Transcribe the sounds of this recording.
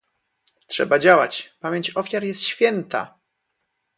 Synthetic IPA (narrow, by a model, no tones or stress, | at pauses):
tʂɛ̰bad͡ʑawat͡ɕpamʲjeɲt͡ɕɔfʲjaɾjɛst̪ɕfʲjɛnt̪a̰